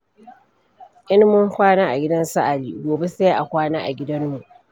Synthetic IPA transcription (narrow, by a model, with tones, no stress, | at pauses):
ʔɪ˦nmʊ˦ŋkʷaː˦naː˦ʔa˨ɡʲɪ˦dɐ˦nsɐ˦ʔa˨lḭː˨ɡʷoː˨be˦se˦ʔa˨kʷaː˦naː˦ʔa˨ɡʲɪ˦dɐ˦mːu˨ʔ